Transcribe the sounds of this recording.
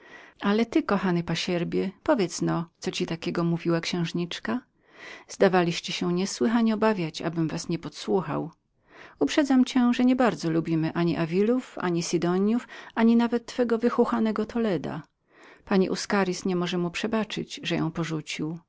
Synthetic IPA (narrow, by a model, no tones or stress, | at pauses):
alɛt̪ɘkɔxanɘpaɕɛɾbʲjɛpɔvʲjɛt̪snɔt̪sɔt͡ɕit̪akʲɛɡɔmuvʲiwakɕɛ̃w̃ʐɲit͡ʂka | z̥d̪avalʲiɕt͡ɕɛɕɛɲɛswɘxaɲɛɔbavʲjat͡ɕa̰bɘmvasɲɛpɔt̪swuxa̰w | upʂɛd̪zamt͡ɕɛʐɛɲɛbaɾd̪zɔlubʲimɘʔaɲiʔavʲilufa̰ɲisid̪ɔɲjufaɲinavɛt̪ːfɛɡɔvɘxuxanɛɡɔt̪ʰɔlɛd̪a̰ | paɲḭʔuskaɾʲisɲɛmɔʐɛmupʂɛbat͡ʂɘ̰d͡ʑʐɛjɔ̰̃w̃pɔʐut͡ɕiw